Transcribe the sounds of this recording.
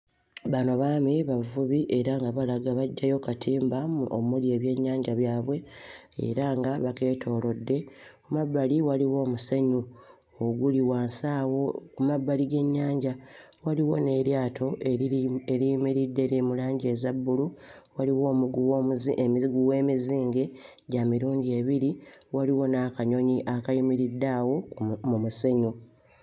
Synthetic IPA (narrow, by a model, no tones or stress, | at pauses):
βano̞βaːmeβavuβiʔe̞ɾaŋɡaβalaɡaβaɟːajo̞katʰiːmbamuo̰mulje̞ːβje̞ɲːaːɲɟaβjaːβwe̞ | ḛɾaŋɡaβake̞ːtʰo̞ːlo̞dːe̞kumabːaliwaliwo̞ːmuseɲu | oɡuliwaːnsaːwo̞kumabːaliɡe̞ɲːaːɲɟawaliwo̞̰ne̞ɾjaːtʰo̞ʔeeɾijmiɾidːe̞ɾimulaːɲɟe̞ːzabːuluwaliwo̞ːmuɡuwoemiiɡuwe̞ːmiziːŋɡe̞ɟamiɾuːɲɟie̞βiɾiwaliwo̞nakaɲo̞ɲiʔakajimiɾidːaːwo̞mumuse̞ɲu